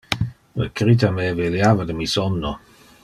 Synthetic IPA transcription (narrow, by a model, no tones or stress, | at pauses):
lə̰kɾit̪ameveljaːvadəmisɔnːo